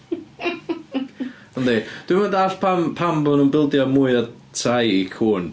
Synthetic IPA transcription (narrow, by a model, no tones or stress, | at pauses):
ɔnded̥wɪmandaɬpʰampʰambɔnəmbɪlˠdjɔmʊɨa | tʰrajikʰuːn